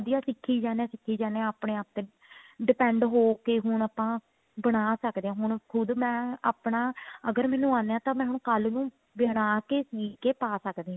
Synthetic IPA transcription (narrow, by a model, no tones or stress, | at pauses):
d̪ijaːsɪkʰːiːd͡ʒaːnãːsɪkʰːiːd͡ʒaːneãaːpɳeːaːp̚t̪eː | ɖɪpɛ̃ːɳɖɦoːkeːɦʊɳapãː | bəɽ̃aːsəkd̪eːãːɦʊɳ̃kʰʊd̪mɛ̃ːaːpɳaːəɡəɾmɛ̃ːnũːãːnd̪eːãːt̪ãːmɛ̃ːɦʊɳ̃kəlnũː | ʋjnaːkeːsiːkeːpaːsəkd̪eːɦãː